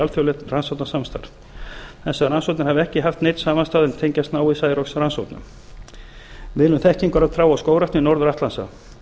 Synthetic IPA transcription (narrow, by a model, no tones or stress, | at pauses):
alθœwlɛt̪nransawt̪nasamst̪a̰ɾð | θɛsːaɾansowt̪nɪɾ̥havɪɛhcɪɦaft̪nejt̪saːmanst̪aːðɪnt̪ʰejɲcast̪naːwisaːjɾɔksransowt̪nʏ̰m | vɪːðnʏmθɛhcɪŋkaɾaðθʰɾaːwawskoːwɾaht̪nɪnɔwɾðʏɾaht̪lansa̰